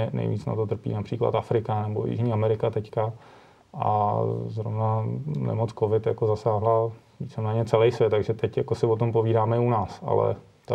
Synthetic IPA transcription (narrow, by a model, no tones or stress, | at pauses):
nɛ̰jvḭːt͡sna̰t̪o̞t̪r̩pḭːnapr̥iːkla̰t̪afɾɪkanɛbo̞̰jḭʒɲiːamɛɾɪkat̪ɛcka | ʔa̰zɾo̞̰vnanɛ̰mot͡skovɪt̪jako̞zasaːɦla | vit͡sɛmnaɲɛt͡sɛlɛjsvjɛt̪ːaɡʒɛt̪ɛcjakosɪvo̞t̪o̞mpoviːdaːmɛɪunaːsa̰lɛ̰ | t̪